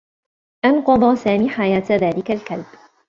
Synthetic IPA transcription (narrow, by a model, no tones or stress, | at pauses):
ʔɑnqɑd̪ˤɑːsaːmiːħajaːt̪ðaːlɪkalkalb̥